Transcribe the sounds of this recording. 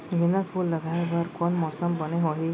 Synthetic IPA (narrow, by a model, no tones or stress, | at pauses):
ɡinəpʰulːəɡabəɾkɔnmɔːsəmbəneɦoɦi